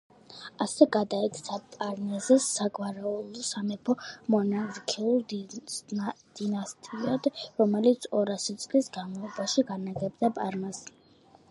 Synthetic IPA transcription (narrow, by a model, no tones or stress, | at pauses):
asɛɡad̪aɛt̪ʰt̪sʰapʼaɾnɛzɛsaɡwaɾɛulˠɔsamɛpʰɔmɔnazkʰɛulˠ | d̪̥inast̪ʼiad̪̥ɾɔmɛlit̪sʰɔɾasit̪sʼlisɡamɔlˠɔbaʃiɡanaɡɛbd̪apʼaɾnas